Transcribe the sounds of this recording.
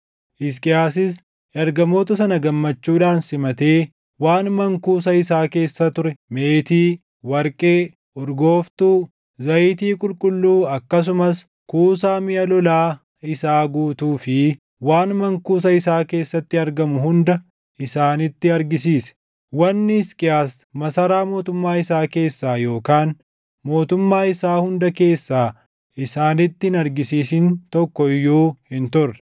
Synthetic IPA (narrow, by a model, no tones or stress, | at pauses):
ʔɪs̬kʼɪjaːs̬ɪs̬ | ɐɾɡɐmo̞ːt̪ɐsɐnɐɡɐmːɐt͡ʃːuːᶑaːnsɪmɐt̪eː | waːnmɐŋkuːs̬ɐɪsaːke̞ːsːɐt̪ʊɾɛme̞ːt̪iː | wɐɾkʼeː | ɔɾɡo̞ːft̪uː | zɐjt̪iːkʼʊlkʼʊlːuːɐkːɐs̬ʊmɐs | kuːsaːmɪjɐlɔlaː | ɪsaːɡuːt̪uːfɪ | waːnmɐŋkuːs̬ɐɪsaːke̞ːsːɐt̪ːɪɐɾɡɐmʊhʊnd̪ɐ | ʔɪsaːnɪt̪ːɪɐɾɡɪsiːsɛ̥ | wɐnːɪskʼɪjaːs | mɐsɐɾaːmo̞ːt̪ʊmːaːɪsaːke̞ːsːaːjo̞ːkaːn | mo̞ːt̪ʊmːaːɪsaːhʊnd̪ɐke̞ːsːaː | ɪsaːnɪt̪ːɪhɪnɐɾɡɪsiːsɪnt̪ɔkːɔjoːhɪnt̪ʊrːɐ̥